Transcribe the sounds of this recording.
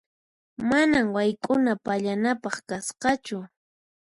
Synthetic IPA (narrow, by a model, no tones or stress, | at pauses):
manamwajkʼʊnapaʎanapɑχkasqɑt͡ʃʊ